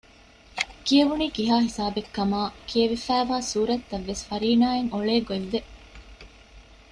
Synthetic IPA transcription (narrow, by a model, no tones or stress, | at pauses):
kieʋuniːkiɦaːhisaːbekːɐmaːkʰieʋifæːʋaːsuːɾɐt̪ːɐʋːesfɐɾiːnaːeŋoɭeːɡoeʋːe